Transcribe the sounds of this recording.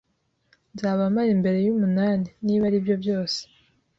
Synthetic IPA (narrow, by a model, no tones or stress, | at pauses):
nzaːβamajembe̞ɾe̞jumunaːniniːβaɾibjo̞bjo̞ːse̥